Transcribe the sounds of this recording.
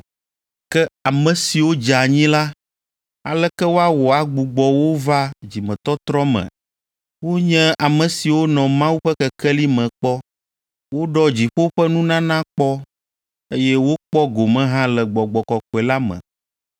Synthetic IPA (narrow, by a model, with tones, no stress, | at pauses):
kɛ˦a˨mɛ̃˨si˨wo˦d͡ʒa˨ɲĩ˦la˦ | a̰˨lɛ˦kɛ˦wo˦a˦wɔ˨a˨ɡ͡bu˨ɡ͡bɔ˨wo˦va˦d͡ʑi˨mɛ̃˨t̪ɔ˦t̪ɾɔ˦mɛ̰̃˨ | wo˦ɲɛ̃˦ʔa˨mɛ̃˨si˨wo˦nɔ̃˨mã˦wu˦ɸɛ˦kɛ˨kɛ˦li˦mɛ̃˨k͡pɔ˦ | wo˦ɖɔ˦d͡ʑi˨ɸo˦ɸɛ˦nũ˦nã˦nã˦k͡pɔ˦ | e˦jɛ˦wo˦k͡pɔ˦ɡo˨mɛ̃˦ɦã˦lɛ˨ɡ͡bɔ˨ɡ͡bɔ˨kɔ˨kɔ˨ɛ˨la˦mɛ̰̃˨